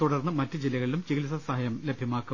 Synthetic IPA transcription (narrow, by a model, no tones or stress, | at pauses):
t̪uɽɐrnːɨmɐtːɨd͡ʑilːɐɣɐɭilumt͡ɕeɣilsɐsɐɦɐjɐmle̞bʱjɐmaːkːu